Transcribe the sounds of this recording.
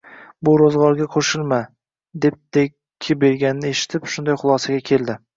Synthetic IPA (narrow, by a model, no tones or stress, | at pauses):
bʊɾozʁɒɾɡʲaqʰoʃɪlˠma | d̪e̞p̚d̪̥e | kʲʰːɪbe̞ɾɡʲanɪnɪe̞ʃɪ̥t̪ʰɪpʃʊnd̪ajχʊlˠɒsaɡʲakʲʰe̞ld̪ɪ